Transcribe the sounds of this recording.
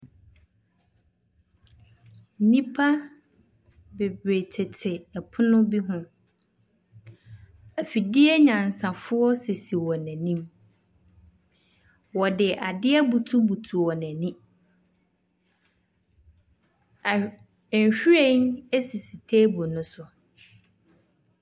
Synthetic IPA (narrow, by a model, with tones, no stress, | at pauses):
nĩ˦pʰa˦ | be˨bɾe˨tʰɪ˨tʰɪ˨ɛ˨pʰʊ˦nʊ̃˦bi˦ɦʊ̃˦ | æ˨fi˨dɪ˦ɛ˦ɲã˨n˨sã˨fʊ˦ɔ˦se˨si˨wɔ˨næ̃˨nĩ˦m | wɔ˨dɪ˨ʔa˨dɪ˦ɛ˦bu˨tʰu˦bu˨tʰu˨wɔ˨næ̃˨nĩ˦˨ | n˨ɕᶣu˦ɾe˦ne˦si˨si˨tʰeː˦bo˨nʊ̃˦sʊ˨